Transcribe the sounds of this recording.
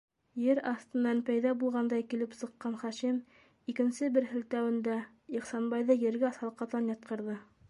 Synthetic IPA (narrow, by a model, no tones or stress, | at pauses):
jɘɾɑθt̪ɤ̆nːɑnpæjðɑbulˠʁɑnd̪ɑjkilɘpsɤ̆qːɑnχɑʃim | ikɘ̆nsɘbɘɾhɘ̆lt̪æwɘ̆nd̪æ | iqsɑnbɑjðɤjɘ̆ɾɡæsɑlˠqɑt̪ɑnjɑt̪̚qɤ̆ɾðɤ